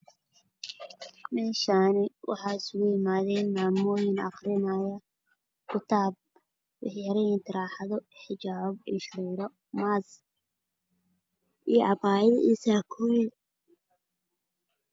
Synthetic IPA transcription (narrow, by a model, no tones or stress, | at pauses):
mɛːʃaːnɪwʔɑ̰ħɑːɪsʊɣʊjɪmaːðɛːnmaːmɔːjɪnɑ̰qrɪnaːjɐ | kʰʊt̪ʰaːb̚ | wɪ̰ħɐɾɛjɪnt̪ʰɪɾaːħɑðɔħɪt͡ʃaːbɪʃuːɾɔ | maːz | ʔiːʔɑbaːjɐʔisaːkʰɔːwɪ